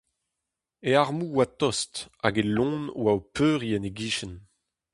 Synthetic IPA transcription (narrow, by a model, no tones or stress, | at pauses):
eaʁmuwat̪ɔsta̰ɡelɔ̃ːnwaopøːʁiɛneɡiːʃɛn